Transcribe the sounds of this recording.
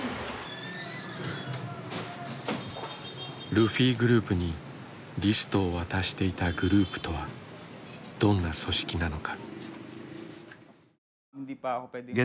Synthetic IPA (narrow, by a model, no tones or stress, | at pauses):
ɾɯ̟ɸʲiːɡɯ̟ɾɯ̟ːpɯ̟ɲ̟i | ɾʲisɨ̥t̪o̞ːβat̪aɕi̥t̪e̞it̪aɡɯ̟ɾɯ̟ːpɯ̟̥t̪o̞βa | d̪̥õ̞nːaso̞ɕi̥kʲinano̞kḁ